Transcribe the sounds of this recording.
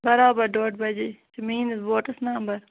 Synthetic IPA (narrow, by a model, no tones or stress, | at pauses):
bɐɾaːbɐɾɖoːʈbɐd͡ʒeːt͡ʃɐmiːnɐsʋoːʈəsnaːmbɐɾ